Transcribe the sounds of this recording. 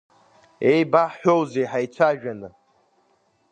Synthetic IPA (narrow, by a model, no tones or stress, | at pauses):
ejbaħʷᶣowzejħajt͡sʷʰaʒᶣanɨ